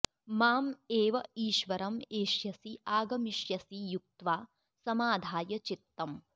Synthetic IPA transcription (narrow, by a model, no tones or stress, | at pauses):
maːmeːʋɐiːʃʋɐɾɐmeːʃjɐsiaːɡɐmiʃjɐsijuk̚t̪ʋaː | sɐmaːd̪ʱaːjɐt͡ʃit̪ːɐm